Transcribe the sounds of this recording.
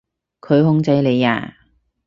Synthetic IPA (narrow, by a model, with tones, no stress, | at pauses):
kʰɵ˨˧ɥɦʊ˧˥ŋt͡sɐ˨˧˥jle˨˧ja̰ː˨˧